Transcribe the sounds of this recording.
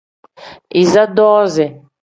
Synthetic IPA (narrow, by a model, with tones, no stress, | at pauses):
i˨za˦d̪ɔː˦zɛ˨